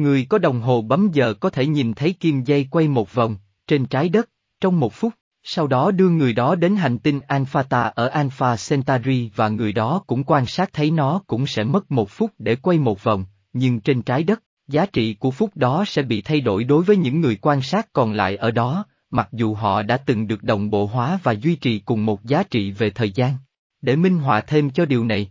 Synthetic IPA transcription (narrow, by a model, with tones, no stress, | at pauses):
ŋɨ˨˩əjkɔ˨˦ɗə˨˩wŋ͡mɦo˨˩ɓə˨˦mzə̰ː˨kɔ˨˦t̪ʰe˧˩ɲi˨˩nt̪ʰə˨˦jki˧mza˧jkwa˧jmo˨˩t̚və˨˩wŋ͡m | t͡ɕe˧nt͡ɕaː˨˦jɗə˦˥t̚ | t͡ɕɔ˧wŋ͡mmo˨˩t̚fʊ˦˥k͡p̚ | sa˧wɗɔ˨˦ɗɨ˧əŋɨ˨˩əjɗɔ˨˦ɗe˨˦nɦa˨˩jŋ̟t̪i˧ŋʔaː˧nfaː˧t̪aː˧ʔəː˧˩ʔaː˧nfaː˧sɛ˧nt̪aː˧zi˧vaː˨˩ŋɨ˨˩əjɗɔ˨˦kʊ̰˧˥ŋ͡mkwaː˧nsaː˦˥k̚t̪ʰə˨˦jnɔ˨˦kʊ̰˧˥ŋ͡msɛ̰˧˥mə˦˥t̚mo˨˩t̚fʊ˦˥k͡p̚ɗe˧˩kwa˧jmo˨˩t̚və˨˩wŋ͡m | ɲɨ˧ŋt͡ɕe˧nt͡ɕaː˨˦jɗə˦˥t̚ | zaː˨˦t͡ɕḭ˧˨ku˧˩əfʊ˦˥k͡p̚ɗɔ˨˦sɛ̰˧˥ɓḭ˧˨t̪ʰa˧jɗo̰˧˩jɗo˨˦jvəː˨˦jɲɨ̰˧˥ŋːɨ˨˩əjkwaː˧nsaː˦˥t̚kɔ˨˩nla̰ː˧˨jʔəː˧˩ɗɔ˨˦ | ma˨˩k̚zu˨˩ɦɔ̰˧˨ɗa̰ː˧˥t̪ɨ˨˩ŋɗɨ˨˩ək̚ɗə̰˨˩wŋ͡mɓo̰˧˨ɦwaː˨˦vaː˨˩zwi˧t͡ɕḭ˨kʊ˨˩ŋ͡mmo˨˩t̚zaː˨˦t͡ɕḭ˧˨ve˨˩t̪ʰəː˨˩jzaː˧n | ɗe˧˩mï˧ŋ̟ɦwa̰ː˧˨t̪ʰe˧mt͡ɕɔ˧ɗi˨˩əwna˨˩j